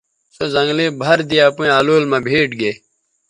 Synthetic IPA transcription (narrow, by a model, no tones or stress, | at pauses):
sozɐ̃ŋɡleːbʱɐɾd̪ijaːpũĩaːloːlmãːbʱeːʈɡeː